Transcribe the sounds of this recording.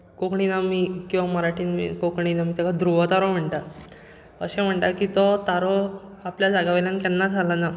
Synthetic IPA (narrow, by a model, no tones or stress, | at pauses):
kokɳinamiːkĩw̃ʋaməɾaʈʰiːnḭkokɳinamiːt̪akad̪ɾuʋət̪aɾɔm̤əɳʈa | əɕẽm̤əɳʈ̪akit̪ɔt̪aɾɔapljad͡zaɡaʋelankɛnːaalana